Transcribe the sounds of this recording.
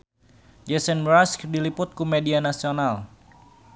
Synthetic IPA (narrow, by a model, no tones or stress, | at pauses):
d͡ʒɛsɛnɾaskdilipʊt̪̚kumedianasional